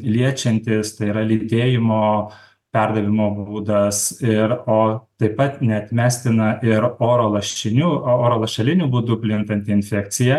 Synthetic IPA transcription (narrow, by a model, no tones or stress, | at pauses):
lʲiɛt͡ʃʲɛnʲt̪ʲɪst̪ɐɪiɾɐlʲid̪ʲeːjɪmoː | pʲɛɾd̪ɐʋʲɪmoːbuːd̪ɐsɪɾoːt̪ɐɪpɐt̪nʲɛɐt̪ʲmʲæːsʲt̪ʲɪnɐʔɪɾoːɾoːlˠɐʃʲɪnʲuːoːɾoːlˠɐʃʲɛlʲɪnʲuːbuːd̪ʊpʲlʲɪnt̪ɐnʲt̪ʲɪɪnʲfʲɛkt̪sʲɪjɛ